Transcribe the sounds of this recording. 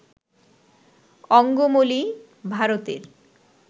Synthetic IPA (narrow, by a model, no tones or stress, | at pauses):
ɔŋɡomoli | bʱaɾot̪ḛɾ